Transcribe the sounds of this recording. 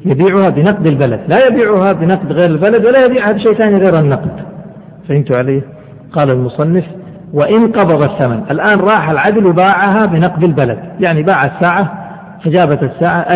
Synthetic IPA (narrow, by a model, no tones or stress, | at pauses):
jabiːʕʊhabɪnɑq̚d̪albala̰d̪lajabiːʕʊhabɪnɑqd̪ɣeːɾalbalad̪walːajabiːʕhabʃeːʔθaːniɣeːɾanːɑqd̪ | faʔɪnt̪ʊʕaleː | qɑːlalmʊsˤɑnːɪf | waʔɪnqɑbɑd̪ˤɑθːamanʔalʔaːnɾˤɑːħalʕad̪lwɪbaːʕaɦabɪnɑqd̪albala̰d̪jaʕnibaːʕasːaːʕa | fad͡ʒaːbat̪asːaːʕaʔa